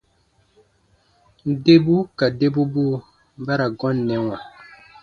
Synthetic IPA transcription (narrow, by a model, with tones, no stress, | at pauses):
de˦bu˦ka˨de˦bu˦bu˦ | ba˦ɾa˨ɡɔ˦n̩ː˨ɛ˨˦ŋa˨